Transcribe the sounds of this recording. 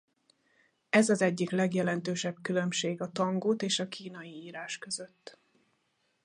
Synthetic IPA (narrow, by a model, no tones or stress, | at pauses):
ɛzɒzɛɟːiklɛɡjɛlɛnt̪øːʃɛbkylø̞mʃeːɡɒt̪ɒŋɡoːt̪eːʃɒkʰiːn̪ɒjiiːɾaːʃkø̞zø̞t̪ː